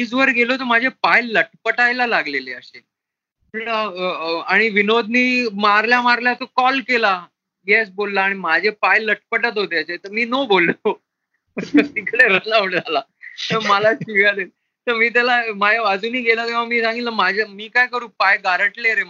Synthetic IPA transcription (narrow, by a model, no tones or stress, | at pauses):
iːd͡zʋəɾɡʱelot̪̬əɾm̤ad͡ʑʱepajləʈpəʈajlalaɡleleəɕe | eɽaaɽ̃iʋinod̪niːmaɾljamaɾljat̪okɔlkela | ɡɛsbolːaːɽ̃imad͡ʑʱepajləʈpəʈət̪ɦot̪eəɕet̪əɾmiːnobolo | əəsikʰleɾənaʋuɳd͡zʱalat̪əɾməlaɕiʋjad̪e | t̪əɾmiːt̪̬jalamajaʋəd͡zuːniːɡʱelakĩw̃ʋ̤amiːsãŋɡilaəmad͡ʑʱamiːkajkəɾũːpajɡaɾəʈleɾe